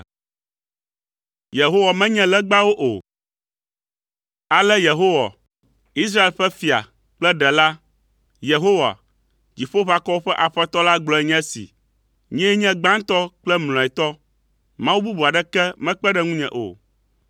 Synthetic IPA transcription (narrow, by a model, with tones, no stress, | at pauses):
je˨ɦo˦wa˨mɛ̃˦ɲɛ̃˦lɛ˦ɡ͡ba˦wo˦ʔo˨ | a˨lɛ˦je˨ɦo˦wa̰˨ | i˦s̬ɾa˦e˨lɸɛ˦fi˨a̰˨ | k͡plɛ˦ɖɛ˨la˦ | je˨ɦo˦wa̰˨ | d͡ʑi˨ɸo˦βa˨kɔ˦wo˦ɸɛ˦ʔa˨ɸɛ˦t̪ɔ˦la˦ɡ͡blɔ˨˦ɛ˦ɲɛ̃˦sḭ˨ | ɲɛ̃˦ɲɛ̃˦ɡ͡bã˦ŋ˦t̪ɔ˦k͡plɛ˦ml̃ɔ̃˨ɛ˨t̪ɔ˦ | mã˦wu˦bu˦bu˨a˨ɖɛ˦kɛ˦mɛ̃˦k͡pɛ˦ɖɛ˦ŋũ˦ɲɛ̰̃˨ʔo̰˨